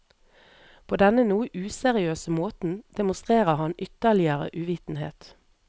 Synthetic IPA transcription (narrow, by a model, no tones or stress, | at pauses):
pʰoːd̪ɛnənuːəʔʉːsɛʁɪøːsəmoːt̪n̩d̪̥ɛmʊst̪ʁeːʁəhɑnʏt̪əlɪəʁə̰ʔʉʋiːt̪n̩hḛːt̪